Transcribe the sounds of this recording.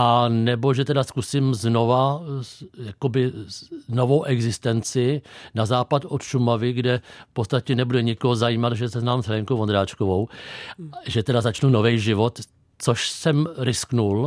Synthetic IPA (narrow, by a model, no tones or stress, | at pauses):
ʔanɛbo̞ʒɛt̪ɛdaskusɪmzno̞va | jako̞bɪnovo̞wʔɛɡzɪst̪ɛnt͡sɪnazaːpat̪ot̪ʃumavɪɡdɛfpott͡st̪acɛnɛbudɛɲɪkoɦozajiːmat̪ʒɛsɛznaːmzɦɛɪŋkowvond̪ɾaːt͡ʃkovow | ʒɛt̪ɛdazat͡ʃnuno̞vɛjʒɪvo̞t̪ | t͡soʃsɛmɾɪsknul